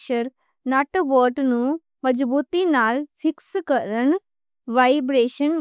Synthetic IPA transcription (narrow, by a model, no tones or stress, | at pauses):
ʃəɾ | nɐʈʋəːɾʈnũ | mɐd͡ʒbuːt̪inaːlpʰɪkskəɾən | ʋajbɾeːʃən